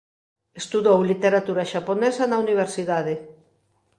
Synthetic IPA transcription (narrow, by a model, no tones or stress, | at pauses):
est̪uðowlit̪eɾat̪uɾaʃaponɛsanauniβ̞eɾsiðaðe